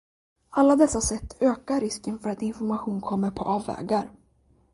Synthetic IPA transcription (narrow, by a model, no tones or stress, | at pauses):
alːad̪ɛsːasɛt̪ʰːøːkaɾɪskənfœɾat̪ɪnfɔɾmaɧuːnkʰɔmːəɾpʰɔʔɑːvːɛ̰ːɡaɾ